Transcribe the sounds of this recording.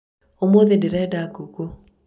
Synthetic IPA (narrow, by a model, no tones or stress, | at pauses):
omoðedeɾɛːdaɡuɣo